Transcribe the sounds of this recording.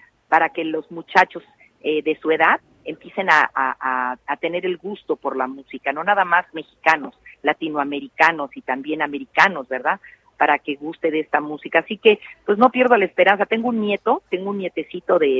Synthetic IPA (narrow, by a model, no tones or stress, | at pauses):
paɾake̞lo̞zmut͡ʃat͡ʃo̞s | eðe̞sue̞ðað | e̞mpje̞se̞naʔaʔaːt̪e̞ne̞ɾe̞lɣust̪o̞po̞ɾlamusikano̞naðamazme̞xikano̞slat̪inoame̞ɾikano̞sit̪ambje̞name̞ɾikano̞zβe̞ɾðað | paɾake̞ɣust̪e̞ðe̞st̪amusikaːsike̞pwe̞sno̞pje̞ɾð̞olaespe̞ɾansat̪e̞ŋɡounːje̞t̪o̞t̪e̞ŋɡounːje̞t̪e̞sit̪o̞ðe̞